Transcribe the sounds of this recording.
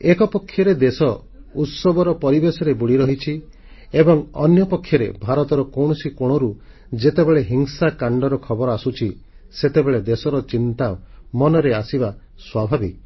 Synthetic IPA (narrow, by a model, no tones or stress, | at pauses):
ekɔpɔkʰːjɔɾed̪esɔ | ut̪sɔbɔɾɔpɔɾibesɔɾebuɽiɾɔɦit͡ʃʰi | ebɔŋɔnjɔpɔkʰːjɔɾḛbʱaɾɔt̪ɔɾɔkɔwɽ̃ɔsikoɽ̃ɔɾu | d͡ʒet̪ebeɭeɦiŋsakaɳɖɔɾɔkʰɔbɔɾɔasut͡ʃʰi | set̪ebeɭed̪esɔɾɔt͡ʃint̪amɔnɔɾeasiba | swabʱabik